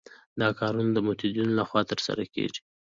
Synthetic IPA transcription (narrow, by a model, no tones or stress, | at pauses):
d̪ɑkɑɾunod̪əmot̪id̪inolaxwɑt̪əɾsa̰ɾakḛʐi̥